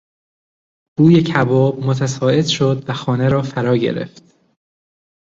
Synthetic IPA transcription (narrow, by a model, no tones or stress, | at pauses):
b̥uːje̞cʰæbɒːb̚mot̪ʰæsɒːe̞d̪̥ʃo̞d̪væxɒːneɾɒːfæɾɒːɟḛɾḛft̪